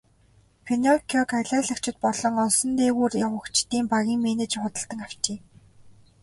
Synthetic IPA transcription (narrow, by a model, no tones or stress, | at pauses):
pʰenɔkʲʰɔkaɮæːɮə̆kt͡ɕʰɪ̆t̪̚pɔɮɞ̆ŋɔsɞ̆nt̪eːɣuːrawə̆kt͡ɕʰt̪iːmpaɣʲiːŋmenet͡ɕχʊt̪ə̆ɬt̪ə̆ŋaw̥t͡ɕeː